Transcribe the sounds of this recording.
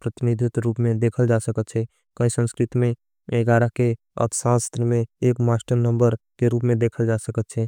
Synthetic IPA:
pɾət̪ɪnid̪ʱɪt̪ɾuːpmẽd̪eːkʰəld͡ʒasəkət̪t͡ʃʰɛ | kəĩsə̃nskɾɪt̪imẽ | eɡaːɾake | ə̰t̪sãst̪ɾəmẽeːkmaːsʈəɾnə̃mbəɾkeɾuːpmẽd̪eːkʰəld͡ʒasəkət̪t͡ʃʰɛ

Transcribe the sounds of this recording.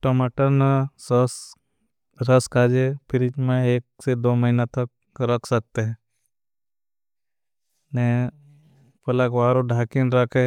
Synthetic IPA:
ʈomaʈənsəs | ɾəskaːd͡ʒepʰɪɾɪt͡ʃmẽeːk̚sed̪oːməɦinat̪ək̚ | ɾəkʰsək̚t̪eɦɛ̃ | nɛ | pɐlakʋaːɾoɖʱaːkinɾəkʰɛ

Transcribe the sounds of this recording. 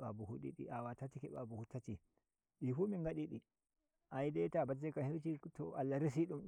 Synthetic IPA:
a̰buhuɗḭɗḭʔawatatikɛɓabuhutːati | ɗifumiŋɡaɗiɗi | ʔajdɛtabatd͡ʒɛkanhiɾt͡ʃitɔʔalːaɾes̬iɗum

